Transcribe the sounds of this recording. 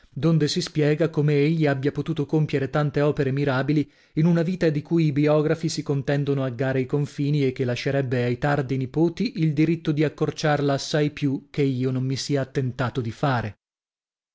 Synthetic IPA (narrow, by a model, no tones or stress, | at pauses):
d̪ond̪esispjɛːɡakomeeʎːiabjapot̪uːt̪okompjeɾet̪ant̪eɔːpeɾemiɾaːbili | inunaviːt̪ad̪ikuːjibiɔːɡɾafisikont̪ɛnd̪onoaɡːaːɾeikoɱfiːniek̟ːelːaʃːeɾɛbːeajt̪ard̪inipoːt̪iʔild̪iɾit̪ːod̪iakːort͡ʃarlaːsːajpjuk̟eiːonomːisiaːt̪ːent̪aːt̪od̪ifaːɾe